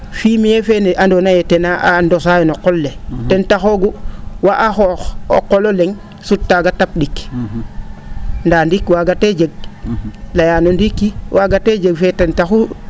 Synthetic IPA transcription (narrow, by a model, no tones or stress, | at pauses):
fimijefeneʔandonajetenaʔandos̬ajonokolːetentaxoɡuwaʔaxoxo̰kːololeŋ | sutːaɡatap̚dik | ndandikːwaɡated͡ʒeɡ̚ | lajanondikːiwʔaɡated͡ʒeɡfetentaxu